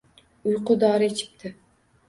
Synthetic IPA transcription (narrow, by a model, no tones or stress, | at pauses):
ʊjqʊd̪ɒːɾɪet͡ʃʰɪ̥p̚t̪ʰɪ